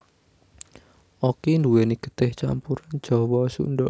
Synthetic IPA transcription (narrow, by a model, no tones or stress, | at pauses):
ʔokinduweniɡ̥ə̥t̪ɪht͡ʃa̰mpuɾan̥d͡ʒ̥ɔ̤wɔsṵnɖɔ